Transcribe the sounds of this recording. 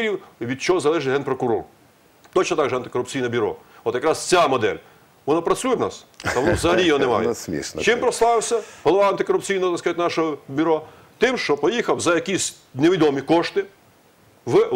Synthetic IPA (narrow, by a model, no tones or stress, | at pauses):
ɾʲiwʋʲid̪̚t͡ʃɔɦɔzɐlˠɛʒɪt̪ʲɦɛnpɾɔkʊɾɔ̰r | t̪ɔt͡ʃnɔt̪ɑɡʒɛɐnt̪ɪ̥kɔɾʊpt͡sʲijnɛbʲyɾɔ̰ɔt̪jɐkɾɑst͡sʲamɔd̪ɛ̰lʲ | ʋɔnɔpɾɐt͡sʲujɛwnɑ̰st̪ɐɔnɔʋzɐɦɐlʲijɔɦɔnemɑ̰jɛmʲḭʃt͡ʃɪmpɾɔslˠɑʋɪwsʲɐɦɔlˠɔʋɑɐnt̪ɪkɔɾʊpt͡sʲijnɔɔt̪ɐskɑzɐt̪ʲnɑʃɔɦɔbʲyɾɔ | t̪ɪmʃt͡ʃɔpɔjixɐwzɐjɐkʲisʲ | neʋʲid̪ɔmʲikɔʃt̪ɪ | ʋ